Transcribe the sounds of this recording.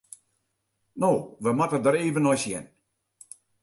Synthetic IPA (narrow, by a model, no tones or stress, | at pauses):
noːʋəmatədəɾeːvənɔjsjɛ̰n